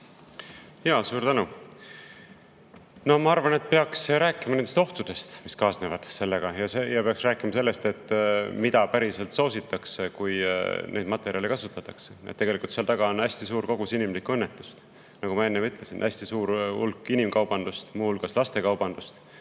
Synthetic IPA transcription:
jɑːsuːɾt̪ænu | no̞mɑɑrvɑne̞t̪̚pe̞ɑksɾæːkːˑimɑnend̪est̪o̞ht̪ud̪̥e̞st̪miskɑːsnevɑd̪̥se̞lːeɡ̥ɑjɑsjɑpe̞ɑksræːkːˑimɑse̞lːest̪e̞t̪ːmid̪̥ɑpæɾise̞lt̪soːsit̪ːˑɑksekujnʔe̞ːd̪mɑt̪ːˑe̞ɾʲjɑlikɑsut̪ːˑɑt̪ːˑɑkse̥ḛt̪ːe̞ɡelikult̪seɑlt̪ɑɡ̥ɑonæsʲt̪isuːɾko̞ɡ̥usinimlikːuenːet̪ːˑu̥st̪ | nɑɡ̥umɑe̞nːevyt̪ˑle̞sinʔæsʲt̪isuːɾulkːinimkɑwb̥ɑnd̪̥ust̪muːhulɡ̥ɑslɑst̪e̞kɑwbɑnd̪̥ust̪

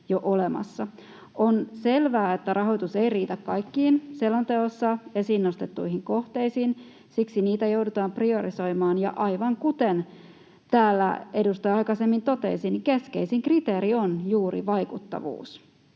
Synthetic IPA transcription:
joʔolemɑ̰sːɑ | onse̞lʋæːet̪ːærʔɑɦo̞it̪use̞iriːt̪ækkɑjkːiːnselont̪eosːɑesinːost̪et̪ːuiɦiŋko̞ht̪e̞isiːn | siksiniːt̪æjo̞wdut̪ɑːmprio̞ɾiso̞jmɑːnjɑ̰ʔɑjʋɑŋkut̪en | t̪æːlːæ̰e̞dust̪ojɑikɑse̞mːint̪o̞t̪ḛsinike̞ske̞isiŋkrit̪e̞ːɾionjuːɾḭʋɑjkut̪ːɑ̰ʋṵːs

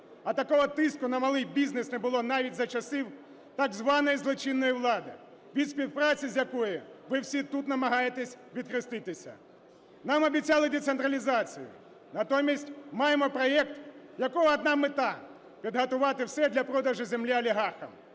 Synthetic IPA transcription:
ɐt̪ɐkɔɦɔt̪ɪskʊnɐmɐlˠɪjbʲiznesnebʊlˠɔnɑʋʲitʲzɐt͡ʃɐsɪw | t̪ɐɡzʋɑnɔjizlˠɔt͡ʃinːɔjiwlˠɑd̪ɪ | ʋʲid̪sʲpʲiwpɾɑt͡sʲizʲjɐkɔjɪʋɪwsʲit̪ut̪nɐmɐɦɑjet̪esʲʋʲid̪̚kɾɪst̪ɪt̪ɪsʲɐ̰ | nɑmɐbʲit͡sʲɑlˠɪd̪ʲet̪sent̪ɾɐlʲizɑt͡sʲḭjʊ̰ | nɐt̪ɔmʲisʲtʲmɑjemɔpɾɔɛkt̪jɐkɔɦɔɐd̪nɑmet̪ɑ | pʲid̪ɦɐt̪ʊʋɑt̪ɪwsɛd̪lʲɐpɾɔd̪ɐʒɪzemlʲiɐlʲiɦɑrxɐm

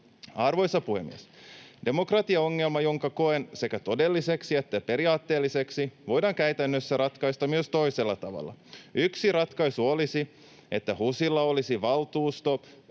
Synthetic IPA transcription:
ɑrʋo̞jsɑpuhemːḭesde̞mo̞krɑt̪iɑo̞ŋːe̞lmɑjo̞ŋkɑko̞e̞nse̞kæt̪o̞de̞lːiseksie̞t̪ːæpe̞ɾiɑːt̪ːe̞ːlːise̞ksiʋo̞jdɑːŋkæyt̪ænːøsːærɑt̪kɑist̪ɑmyøst̪o̞iselːɑt̪ɑʋɑ̰lːɑ̰yksirɑt̪kɑjsuolisi | e̞t̪ːæhusilːɑo̞lisiʋɑlt̪uːst̪o̞

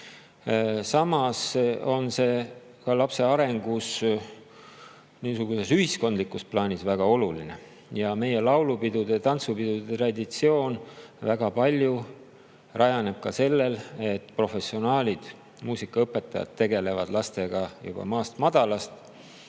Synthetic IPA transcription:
sɑmɑso̞nse̞ː | kɑlɑpse̞ɑɾe̞ŋɡ̥us | niːsuɡ̥use̞syhisko̞nd̪likːˑusplɑːnʲisvæɡ̥ɑo̞luline | jɑme̞je̞lɑwlupid̪̥ud̪et̪ɑnt̪supid̪̥ud̪et̪rɑd̪it̪sio̞ːnvæɡ̥ɑpɑlʲju | rʔɑjɑne̞b̥̚kɑse̞lːe̞le̞t̪ːˑpro̞fe̞sːio̞nɑːlʲid̪̥ | muːsikːˑɑɤpːˑe̞t̪ːˑɑjɑ̰t̪tːe̞ɡe̞le̞vɑd̪lɑst̪e̞ɡ̥ɑjṵb̥ɑ̰mɑːst̪mɑd̪̥ɑlɑst̪

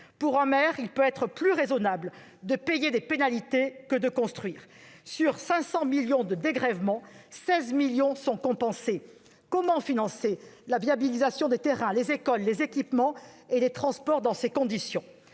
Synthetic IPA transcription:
puʁɛ̃mɛʁilpøɛt̪χəplyʁezɔnabl | d̪əpejed̪epenalit̪ekəd̪əkɔ̃st̪χɥiːʁsyʁsɛ̃sɑ̃miljɔ̃d̪əd̪eɡʁɛvmɑ̃sɛzmiljɔ̃sɔ̃kɔ̃pɑ̃se | kɔmɑ̃finɑ̃selaviabilizasjɔ̃d̪et̪eʁɛ̃lezekɔlːezekʲipmɑ̃elet̪χɑ̃spɔʁd̪ɑ̃sekɔ̃d̪isjɔ̃

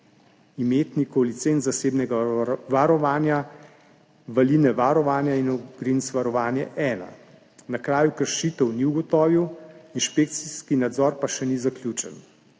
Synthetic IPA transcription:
imeːt̪nikɔlit̪seːnt̪zaseːbnɛɡaʋaɾɔʋaːnja | ʋalinɛʋaɾɔʋaːnjainɔɡɾinsʋaɾɔʋaːnjɛ̰ʔɛːna̰ | nakɾaːjukəɾʃiːt̪əwniwɡɔt̪ɔːʋiwinʃpeːk̚t̪siskinad̪zɔːɾpaʃɛnizakljut͡ʃɛ̰n

